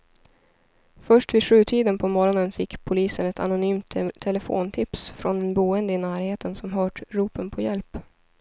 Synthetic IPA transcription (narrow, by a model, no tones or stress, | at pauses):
fœʂʈviːʂʉ̟ːt̪ʰiːd̪ənpʰɔmɔɾɔnənfɪkːpʰʊliːsənɛt̪ʰa̰nʊnyːmt̪ʰːɛlɛfo̰ːnt̪ʰɪpsfɾɔnɛnbuːənd̪əɪnæːɾheːt̪ʰənsɔmɦœːʈɾuːpənpʰɔjɛlp